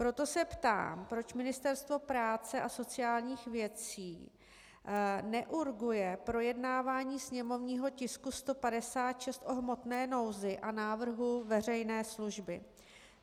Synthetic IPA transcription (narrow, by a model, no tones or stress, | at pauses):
pɾo̞t̪o̞sɛpt̪a̰ːmpɾot͡ʃmɪnɪst̪ɛɾst̪vo̞pɾaːt͡sɛʔaso̞t͡sɪjaːlɲiːxvjɛt͡siː | nɛʔuɾɡujɛpɾo̞jɛdnaːvaːɲiːsɲɛmo̞vɲiːɦo̞cɪskust̪o̞padɛsaːt̪ʃɛst̪ʔo̞ɦmo̞t̪nɛːno̞wzɪʔanaːvr̩ɦuvɛr̝ɛjnɛːsluʒbɪ